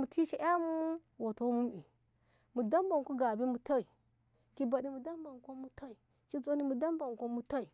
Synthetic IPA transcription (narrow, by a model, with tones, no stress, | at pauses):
mu˨tʰi˦ʃi˦ʔa˦mu˦wo˨to˦mu˦mi˨ | mu˨da˦mba˨ŋ˨ko˦ɡa˨bi˦mu˨ta˦i˨ | ki˦ba˨ɗi˦mu˨da˦mba˨ŋ˨ko˦mu˨ta˦i˨ | ki˦zo˦ni˦mu˨da˦mba˨ŋ˨ko˦mu˦ta˦i˨